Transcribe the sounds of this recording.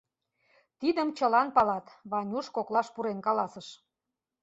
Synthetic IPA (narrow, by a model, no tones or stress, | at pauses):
t̪id̪əmt͡ɕəlɑnpɑlɑt̪βɑnʲuʃkoklˠɑʃpuɾenkɑlɑsəʃ